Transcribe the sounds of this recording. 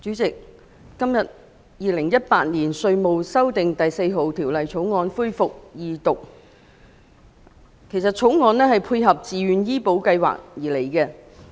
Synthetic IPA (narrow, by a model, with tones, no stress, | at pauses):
t͡ʃyː˨˥t͡sɪ˨k̚ː | ɐ˥mjɐ˨t̚ | jiː˨˧lɪ˨˩ŋjɐ˥t̚paː˧t̚niː˨˩nsɵ˧ɥmo˨wsɐ˥wt̪ɪ˨ŋt̪ɐ˨jse˧jɦo˨˧wt̪ʰiː˨˩wlɐ˨jt͡ʃʰo˨˥wŋɔː˨˧nfuː˥jfʊ˨k̚jiː˧t̪ʊ˨k̚ | kʰe˨˩jsɐ˨t̚t͡ʃʰo˨˥wŋɔː˨˧nɛː˥ɦɐ˨jpʰuː˧jɦɐ˨p̚t͡siː˨ɥyː˨njiː˥po˨˥wkɐ˧jwa̰ː˨k̚jiː˨˩le˨˩jkɛː˧